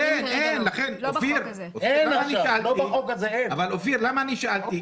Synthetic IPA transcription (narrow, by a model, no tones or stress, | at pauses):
enenlaχenofiɾ | oenaaaaniʃaaltlobaxokazeenavalofiɾlamaːniʃaʔalt̪i